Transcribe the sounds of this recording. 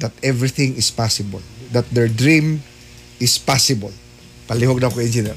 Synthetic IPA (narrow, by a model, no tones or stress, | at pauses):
d̪ɐt̪ɛvɾɪθɪ̃ŋɪspasɪbɐ̰ld̪at̪̚d̪ɛɹd̪ɹĩm | ɪspasɪbɐl | pɐlɪhoɡ̚nɐkoʔɛnd͡ʒɪnɛɾ